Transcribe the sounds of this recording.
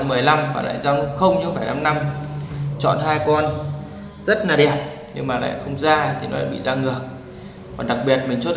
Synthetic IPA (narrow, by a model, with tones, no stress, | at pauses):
mɨ˨˩əjla˧mvaː˨˩la̰ː˧˨jzaː˧wnʊ˦˥p̚xə˧wŋ͡mɲɨ˧faː˧˩jna˧mna˧m | t͡ɕɔ̰˧˨nɦaː˧jkɔ˧n | zə˦˥t̚laː˨˩ɗɛ˨˩ət̚ | ɲɨ̰˧ŋmaː˨˩la̰ː˧˨jxə˧wŋ͡mzaː˧t̪ʰi˨˩nɔ˨˦l̰aː˧˨jɓḭ˧˨zaː˧ŋɨ˨˩ək̚ | kɔː˨˩nɗa˨˩k̚ɓi˨˩ət̚mi˨˩ŋt͡ɕu˦˥t̚